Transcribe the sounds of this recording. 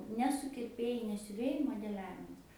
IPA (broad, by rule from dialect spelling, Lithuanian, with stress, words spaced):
nʲɛ sʊkʲɪrʲˈpʲeːjɛɪ nʲɛ sʲʊˈʋʲeːjɛɪ moːdʲɛˈlʲæːʋʲɪmɐs